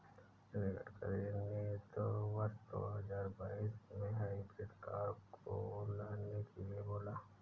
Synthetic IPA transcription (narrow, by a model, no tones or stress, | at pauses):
nɪɡə̰ʈkə̰ɾenet̪owɐsd̪o̰ɦɐzaːɾbaːismẽɦaipɾed̪kaːɾkʰolaːnekʰelieboːlaː